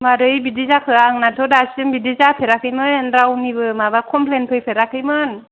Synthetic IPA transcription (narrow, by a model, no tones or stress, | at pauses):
maɾɯjbidizakʰɯaŋnatʰɔdasɯŋbidizapʰeɾakʰɯjmɯnɾawnibɯmabakʰɔmpʰlenpʰɯjpʰeɾakʰɯjmɯn